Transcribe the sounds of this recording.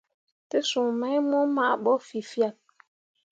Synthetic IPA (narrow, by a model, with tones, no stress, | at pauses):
te˦su˨ŋmɛ˨˦jmo˦ma˦ʔɓɔ˦fi˨fja˨k̚